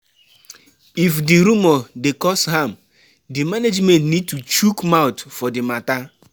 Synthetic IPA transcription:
ifdiɾumɔdekɔsɦãm | dimaned͡ʒmɛ̃ntnid̚tut͡ʃukmaʊtfɔdimata

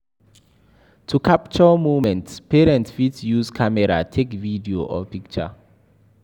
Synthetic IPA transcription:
tʰukʰap̚t͡ʃɔmuvmɛ̃ntspʰeɹɛ̃ntfitsjuːskʰamɛɹa̰tʰekvidioʔɔ̰pik̚t͡ʃə̰

